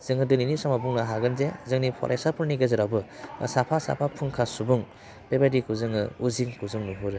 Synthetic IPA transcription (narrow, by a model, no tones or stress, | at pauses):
z̥ɯŋɯdɯninisɔmabuŋnaɦaɡɯnzezɯŋnipʰɔ̰ɾʔesapʰuɾniɡezɯɾawbɯsapʰasa̰pʰapʰuŋkʰasubuŋ | pebadikuzɯŋɯuziŋkuzɯŋnubɯɾɯ